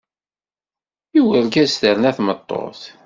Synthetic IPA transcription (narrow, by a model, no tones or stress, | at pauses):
iwəɾɡæsθəɾnæθmət̪ˤːo̰θ